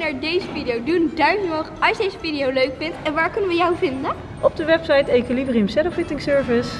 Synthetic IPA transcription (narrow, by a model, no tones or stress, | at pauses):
naːɹdejzəfidijowdundœɥknɔχɑlʃdejzəfidiowløɥkfɪntɛnʋaːɹkɵnənʋəjawvɪndən | ʔɔb̚dəʋɛpsɑjtejkilibriəmsɛdɔfɪtɪŋsøːɹvəs